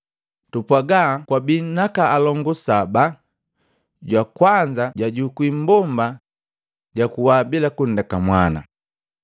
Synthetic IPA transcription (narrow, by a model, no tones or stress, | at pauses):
tupwaɡaːkwabinakaːlɔŋɡusaba | ɟwakwaɲd͡ʒaɟaɟukwim̩bɔmba | ɟakuwaːbilakundakamwana̰